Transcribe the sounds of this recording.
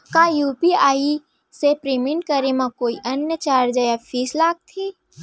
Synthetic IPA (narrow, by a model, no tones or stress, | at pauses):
kaːjuːpiaːi | sepɾemɪ̃ɳʈ̚kəɾemãkoːiʔɐnjət͡ʃaːɾd͡ʒəjafʰiːslaːɡ̚t̪ʰiː